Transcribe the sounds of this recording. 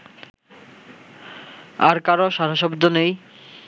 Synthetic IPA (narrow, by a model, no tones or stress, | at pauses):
aɾkaɾoʃaɾaʃɔbd̪onej